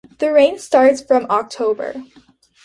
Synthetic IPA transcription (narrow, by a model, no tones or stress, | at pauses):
ðɨɹẽɪ̃nstɑɹtsfɹʌ̃mɑk̚tʰoʊbə̰˞